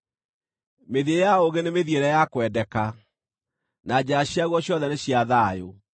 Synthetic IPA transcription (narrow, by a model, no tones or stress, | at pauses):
meðiejaoɣenemeðieɾɛjakwɛdɛka | nad͡ʑaaɕjaɣwɔɕjɔðɛneɕjaðaːjo